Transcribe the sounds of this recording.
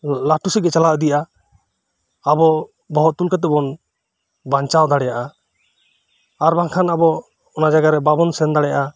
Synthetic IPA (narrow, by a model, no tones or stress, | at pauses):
laʈusɛɡɛt͡ʃalaʔd̪ijaʔa | bɔ | bɔɦɔt̪̚t̪ːulkat̪ɛbɔn | baɲt͡ʃawd̪aɽɛjaʔa | aɾbaŋkʰanabɔ | ɔnad͡ʒaɡaɾɛbabɔnsɛnd̪aɽɛja̰ʔa